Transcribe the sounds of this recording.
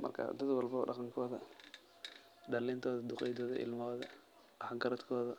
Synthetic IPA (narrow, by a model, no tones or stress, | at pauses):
mɐ̰rkʰɐ̰d̪ɐd̪wɑlbɔɖɑqɑŋkʰɔːðɐ | ɖɐlɛːnt̪ʰɔːðɐd̪ʊqɛjd̪ɔːðɐ̰ʔɪ̰lmɔːðɐ | ʔħɡɐɾɐd̪kʰɔːðɐ